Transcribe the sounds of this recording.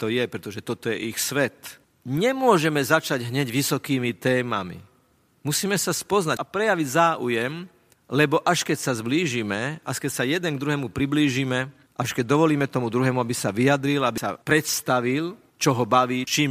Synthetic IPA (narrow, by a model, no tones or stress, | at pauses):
t̪ɔjɛpɾɛt̪ɔʒɛt̪ɔt̪ɔjɛʔixsʋɛt̪ | ɲɛmʊɔʒɛmɛzat͡ʃaɟɦɲɛɟʋisɔkiːmit̪ɛːma̰mḭ | musiːmɛsaspɔznapɾɛjaʋiɟzaːʔujɛm | lɛbɔʔaʃkɛcsazbliːʒimɛʔaʃkɛcsajɛd̪ɛŋɡd̪ɾuɦɛːmupɾibliːʒiːmɛ | ʔaʃkɛɟ̚d̪ɔʋɔliːmɛt̪ɔmud̪ɾuɦɛːmuabisaʋiad̪ɾilabisa̰pɾɛt̪st̪aʋil | t͡ʃɔɦɔbaʋiːt͡ʃiːm